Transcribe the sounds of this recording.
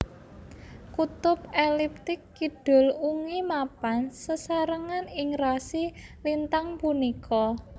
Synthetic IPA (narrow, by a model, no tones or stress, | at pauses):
kut̪ʊpelip̚t̪ɪkːiɖ̥ʊ̤luŋimapansəsaɾəŋanɪŋrasilint̪aŋpunikʰɔ